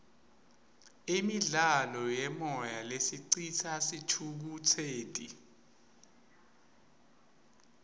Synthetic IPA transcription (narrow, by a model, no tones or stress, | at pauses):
imiɮalɔjɛmɔjalesiǀit͡sʰasitʰuk̬utʰeːtʼḭ